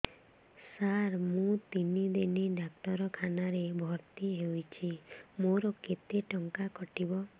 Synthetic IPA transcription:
saɾmũt̪inid̪iniɖak̚t̪ɔɾɔkʰanaɾebʱɔɾt̪iɦewjt͡ʃʰimoɾɔket̪eʈɔŋkakɔʈibɔ

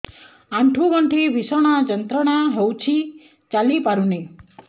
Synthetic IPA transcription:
ãɳʈʰuɡʌɳʈʰiʋisɔɽ̃ad͡ʒənt̪ɾəɽ̃aɦɔwt͡ʃʰi | t͡ʃalipaɾune

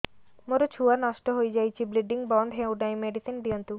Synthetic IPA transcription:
moɾot͡ɕʰuwanɔʃʈoɦojd͡ʑajt͡ɕʰibliɖiŋbɔnɖ̪ɦewɖajmeɖisinbijont̪u

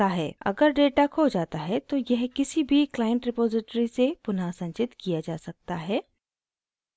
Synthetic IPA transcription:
aɦɛːɐ̰ɡəɾɖeːʈakʰoːd͡ʒaːt̪aɦɛt̪ojɛɦkɪsibʱiklaːɪə̃ɳʈɾɪpoːzɪʈɾisepʊnaːsɐ̃ɲt͡ʃɪt̪kijad͡ʒaːsɐk̚t̪aɦɛː

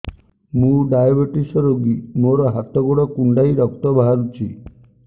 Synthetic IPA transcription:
mũɖajabeʈisɔɾoɡimoɾɔɦat̪ɔɡoɽɔkuɳɖajɾɔkt̪ɔbaɦaɾut͡ʃʰi

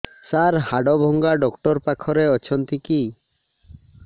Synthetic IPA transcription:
saɾhaɖɔbʱɔŋɡaɖɔkʈɔɾpakʰɔɾeɔt͡ʃʰɔnt̪iki

